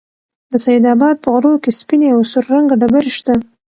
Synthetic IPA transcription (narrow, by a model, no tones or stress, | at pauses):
d̪əsajid̪ɑbɑd̪̚pəɣɾokespineawsʊɾːaŋɡaɖabaɾeʃt̪a